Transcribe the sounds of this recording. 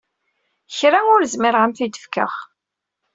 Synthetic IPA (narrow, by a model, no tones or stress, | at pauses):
çɾaŋʊɾzmɪɾʁamθid̪əfkə̰χ